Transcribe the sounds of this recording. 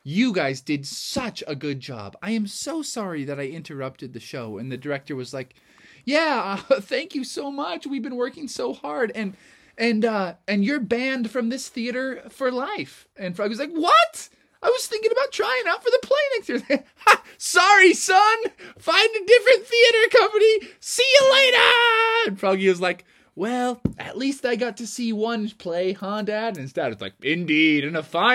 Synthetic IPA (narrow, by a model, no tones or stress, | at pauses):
jɨɡaɪzdɨdsʌt͡ʃəɡʊd̚d͡ʒɑ̰b̥aɪɨ̃msoʊsɑɹiðɨɾaɪɪ̃ntʰə˞ʌp̚tɨd̪̚ðɨʃoʊɨ̰̃nðɨdə˞ɛk̚tə˞wʌzlaɪk | jæʌθæ̃ŋkjɨsoʊmʌt͡ʃwivbɨ̃nwɜ˞kɪ̃ŋsoʊhɑɹɾɨ̃n | ɨ̃nʌɨ̃njə˞bæ̃nd̥fɹʌ̃mðɪsθiɨɾə˞fə˞laɪf | ɨ̃nfaɪwʌzlaɪkwʌt | aɪwʌz̥θɪ̃ŋkɪ̃ŋəbaʊtʰɹ̥aɪɪ̃ŋaʊtfə˞ðəpʰl̥eɪnɛkstjɪɹ | sɑɹisʌ̃nfãɪ̃ndɨdɪfɹɨ̃nθiɨɾə˞kʰʌ̃mpɨnisiɨleɪɾə̃npʰɹ̥ɑbɡliwʌzlaɪk | wɛlˠʔɨ̰ʔˡlistaɪɡɑtʰɨsiwʌ̃npʰl̥eɪhɑ̃ndæɾɨ̃nɨ̃nstɛɾɨʌzlaɪk̚ɪ̃ndiɾɨ̃nəfãɪ̃